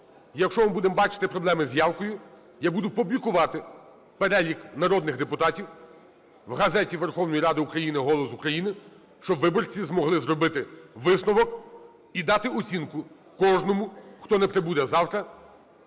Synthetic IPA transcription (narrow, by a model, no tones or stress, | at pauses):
jɐkʃt͡ʃɔmɪbud̪embɑt͡ʃɪ̥t̪ɪpɾɔblˠɛmɪzʲjɑwkɔjʊ | jabud̪ʊpʊblʲikʊʋɑt̪ɪ | peɾɛlʲiknɐɾɔd̪nɪxd̪epʊt̪ɑtʲiw | wɦɐzɛtʲiʋerxɔwnɔjiɾɑd̪ɪukɾɐjinɪɦɔlˠɔsukɾɐjinɪ | ʃt͡ʃɔbʋɪbɔrt͡sʲizmɔɦlˠɪzɾɔbɪt̪ɪʋɪsnɔʋɔk | id̪ɑt̪ɪɔt͡sʲinkʊ | kɔʒnɔmʊxt̪ɔnɛpɾebud̪ɛzɑwt̪ɾɐ